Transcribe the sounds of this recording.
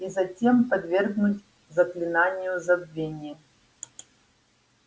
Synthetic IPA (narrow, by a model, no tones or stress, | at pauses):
izɐtʲe̞mpɐd̪vʲerɡnutʲ | zɐklʲinanʲɪjuzɐbvʲenʲ